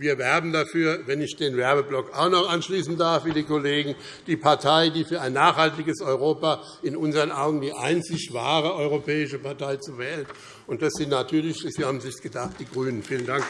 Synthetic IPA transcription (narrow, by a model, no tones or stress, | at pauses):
viːɐvɛɐbm̩dafyːɐvɛnɪçd̥eːnvɛɐbəblɔkaʊxnɔχʔanʃliːsn̩daɐfviːdikoleːɡŋ̩ | d̥iːpʰaɐtʰaɪdiːfyːɐaɪnːaːχhaltɪɡəsɔʏʁoːpaː | ɪnʔʊnzəɐʁənʔaʊɡŋ̩diːʔa̰ɪnt͡sɪçv̥a̰ːʁ̞əʔɔʏʁopʰɛːɪʃəpʰaɐtʰaɪt͡suvɛːlt | ʊnt̚d̥asz̥ɪntnatʰyːɐlɪç̥v̥iːɐhaːbm̩zɪçsɡ̥ədaχt̚d̥iːɡʁyːnənfiːləndaŋk